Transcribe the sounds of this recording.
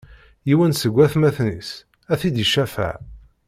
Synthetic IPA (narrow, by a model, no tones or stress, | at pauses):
jiwænsəɡʷːæθmæθnḭs | æθid̪iʃæfæ̰ʕ